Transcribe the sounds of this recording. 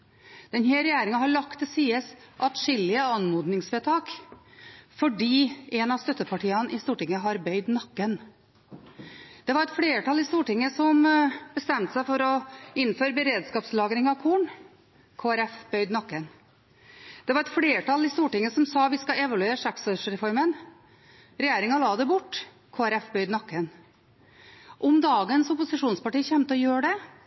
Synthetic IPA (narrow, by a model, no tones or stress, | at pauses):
d̪̥ɛnheːɾɛjæːɾɪŋɑɦɑɭɑkt̪ɪsiːəsʔɑt̪ʂɪlːɪəɑnmuːd̪nɪŋsʋeːt̪ʰɑːk | fɔɖiːɛnɑst̪œt̪ːəpʰɑʈʰiːɑnʔɪst̪uːʈɪŋːəɦɑɾbœʏd̪nɑkːən | d̪̥ɛʋɑɾɛt̪fɽeːʈɑlɪst̪uːʈɪŋːəsɔmb̥əst̪ɛmt̪sæɪfɔɾɔɪnːføːɾbəɾeːd̪skɑːpslɑːɡɾɪŋɑʋkʰuːɳ | kʰoːæɾɛfbœʏd̪nɑkːən | d̪̥ɛʋɑɾɛt̪fleːʈʰɑlɪst̪uːʈɪŋːəsɔmsɑːʋɪskɑɛʋɑlʉeːɾʂæksɔʂɾɛfɔɾmən | ɾɛjeːɾɪŋɑlɑːd̪ɛbʊʈː | kʰoːæɾɛfbœd̪nɑkːən | ʔɔmd̪ɑːɡənsʊpʊsɪʂuːnspɑʈiːəçɛmt̪əɔjøːɖɛ